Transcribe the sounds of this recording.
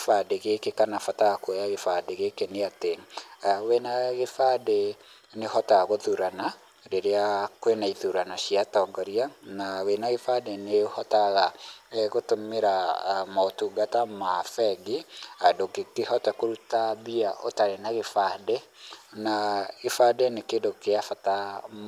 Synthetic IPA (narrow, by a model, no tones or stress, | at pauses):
fadeɣekekanafataɣakwjaɣefadeɣekeneate | wenaɣefade | neɦɔtaɣaɣoðuɾana | ɾeɾeakwenaiðuɾanaɕiatɔɡɔɾianawenaɣefadenehɔtaɣaɣotomeɾamaotuɡatamafɛɡiadokekeɦɔtakoɾutaβiaʔotaɾenaɣefade | naɣefadenekedokeafata